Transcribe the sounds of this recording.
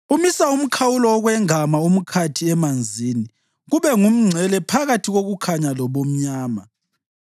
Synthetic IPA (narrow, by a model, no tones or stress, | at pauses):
umisaum̩kʰawulɔːɣwɛŋamaum̩kʰatʰiɛmand͡zʱini | ɣuβɛŋum̩ŋ͡ǀʱɛlɛpʰaɣatʰiɣoɣukʰaɲalɔβom̩ɲaːma